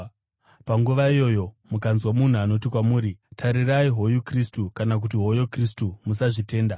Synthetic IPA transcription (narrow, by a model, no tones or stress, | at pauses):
paŋɡuʋaijo̞jo̞mukanzwamun̤uano̞t̬ikwamuːɾitʰaɾiraiɦo̞jukristukanak̬utiɦo̞jokris̬tumusaʐite̞ːnda